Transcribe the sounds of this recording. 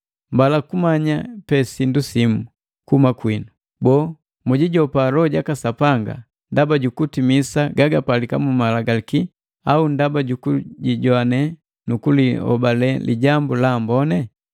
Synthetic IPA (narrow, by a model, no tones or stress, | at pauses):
mbalakumaɲapɛsindusimu | kumakwinu | bɔː | muɟiɟɔpalɔɟakasapaŋɡa̰ | ndabaɟukutimisaɡaɡapalikamumalaɡaliki | aundabaɟukuɟiɟɔanɛ | nukulihɔ̰balɛlḭɟambulambɔnɛ